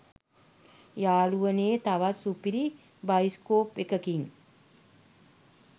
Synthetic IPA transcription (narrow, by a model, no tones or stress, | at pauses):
jaːluʋəneːt̪aʋasupiɾi | bajiskoːpʋekəkiŋ